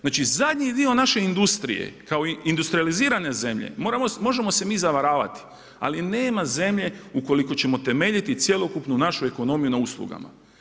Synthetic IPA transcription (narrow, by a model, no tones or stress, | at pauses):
znaːt͡ʃizad̪ʲɲid̪io̞naʃe̞ind̪ust̪ɾḭje̞̰kao̞ind̪ust̪ɾializiːɾane̞ze̞mʎe̞̰moɾamomo̞ʒe̞mo̞se̞miːzaʋaɾaːʋa̰t̪i̥ | a̰line̞ːmaze̞mʎe̞uko̞liko̞t͡ɕe̞mo̞t̪e̞me̞ːʎit̪it̪sje̞lo̞kupnunaʃue̞ko̞no̞mijunauslˠṵɡa̰ma̰